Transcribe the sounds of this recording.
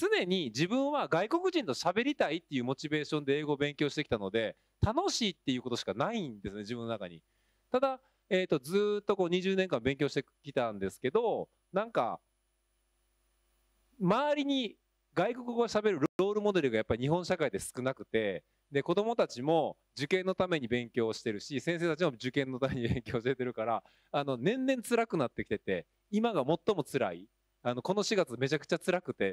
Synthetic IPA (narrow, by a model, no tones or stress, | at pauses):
t͡sɨne̞ɲ̟id͡ʑibɯ̟̃ɰ̃βaɡaiko̞kɯ̟ʑĩnt̪o̞ɕabe̞ɾʲit̪ait̪ːe̞jɯ̟ːmo̞t͡ɕibe̞ːɕõ̞nd̪e̞eːɡo̞ːbẽ̞ŋkʲo̞ːɕit̪ekʲi̥t̪ano̞d̪e̞ | t̪ano̞ɕiːt̪ːe̞jɯ̟ːkot̪o̞ɕi̥kanaind̪e̞sɨne̞d͡ʑibɯ̟nːo̞naka̰ɲ̟ḭ | t̪ad̪a | e̞ːt̪ːo̞d͡zzɨːt̪ːo̞ko̞ːɲ̟iʑɨːnẽ̞ŋkãmbẽ̞ŋkʲoɕi̥t̪ekʲi̥t̪ãnd̪e̞sɨ̥ke̞d̪o̞ | nãŋka̰ | maːɾʲiɲ̟i | ɡaiko̞kɯɡoɕabe̞ɾɯ̟ɾɾo̞ːɾɯ̟mo̞d̪e̞ɾɯ̟ɡajapːaɾiɲ̟ihɦõ̞ɰ̃ɕakaid̪e̞sɨ̥kɯ̟nakɯ̟̥t̪e̞ | d̪e̞ko̞d̪o̞mo̞t̪at͡ɕimo̞ | d͡ʑɨkẽ̞nːo̞t̪ame̞ɲ̟ibẽ̞ŋkʲo̞ːɕi̥t̪e̞ɾɯ̟ɕisẽs̬e̞ːt̪at͡ɕimo̞d͡ʑɨkẽ̞nːo̞t̪ameɲ̟ibẽ̞ŋkʲo̞ːɕit̪et̪eɾɯ̟kaɾaː | no̞nẽ̞nːẽ̞nt͡sɨɾakɯ̟nat̪ːe̞kʲi̥t̪et̪e̞ | imaɡamo̞t̪ːo̞mo̞t͡sɨɾai | ano̞ko̞no̞ɕiɡat͡sɨme̞t͡ɕakɯ̟̥t͡ɕat͡sɨɾakɯ̟t̪e̞